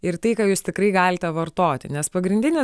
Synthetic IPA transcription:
ɪrt̪ɐɪkɑːjuːst̪ʲɪkrɐɪɡɑːlʲɪt̪ʲɛʋɐrt̪oːt̪ʲɪ̰nʲɛspɐɡɾʲɪnʲd̪ʲɪnʲɪ

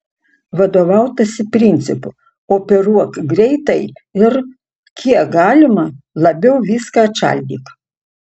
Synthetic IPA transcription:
ʋɐd̪oːʋɐˑʊt̪ɐsʲɪpʲɾʲɪnʲt̪sʲɪpʊ | oːpʲɛɾuɔkɡɾʲɛɪt̪ɐɪɪɾ | kʲʰiɛk̚ɡɑːlʲɪmɐlˠɐbʲɛʊʋʲiːskɑt͡ʃʲæ̰lʲd̪ʲiːk

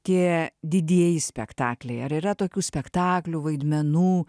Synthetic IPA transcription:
t̪ʲiɛd̪ʲɪd̪ʲiɛjɪsʲpʲɛkt̪ɑːklʲɛɪɐɾiːɾɐt̪oːkʲuːsʲpʲɛkt̪ɑːklʲuʋɐɪd̪ʲmʲɛnuː

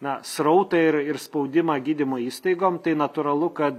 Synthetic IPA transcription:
nɐsɾɐʊt̪ɐɪɾɪrspɐɒʊd̪ʲɪmɐɡʲiːd̪ʲɪmoːiːst̪ɐɪɡoːmt̪ɐɪnɐt̪ʊːɾɐlˠʊkɐt̪

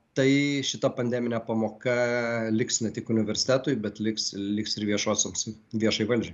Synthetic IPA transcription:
t̪ɐɪʃʲɪt̪ɐpɐnʲd̪ʲæːmʲɪnʲɛpɐmoːkɐlʲɪksnʲɛt̪ʲɪkʊnʲɪʋʲɛɾʲsʲɪ̥t̪ʲæːt̪ʊjbʲɛt̪lʲɪkslʲɪksɪɾʋʲiɛʃoːsʲoms | ʋʲiɛʃɐɪʋɐlʲd͡ʒʲɛ

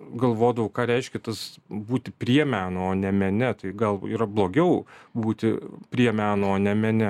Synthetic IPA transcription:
ɡɐlˠʋoːd̪ɐʋɐʊkɑːɾʲɛɪʃʲkʲɛt̪ɐsbuːt̪ʲɪpʲɾʲiɛmʲæːnooːnʲɛmʲɛnʲɪt̪ɐɪɡɐlˠḭːɾɐblˠoːɡʲɛʊbuːt̪ʲɪpʲɾʲiɛmʲæːnooːnʲɛmʲɛnʲɪ

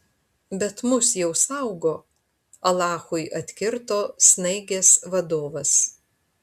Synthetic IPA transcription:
bʲɛt̪mʊsjɛʊsɑˑʊɡoː | ɐlˠɑːxʊɪʔɐt̪ʲkʲɪɾt̪oːsnɐɪɡʲeːsʋɐd̪oːʋɐs

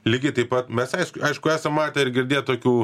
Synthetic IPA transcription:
lʲiɡʲɐɪt̪ɐɪpɐt̪mʲɛsɐɪʃkʊɐɪʃkʊæːsɐmmɑːt̪ʲɛɪɾɡʲɪɾʲd̪ʲeːjtt̪oːkʲuː

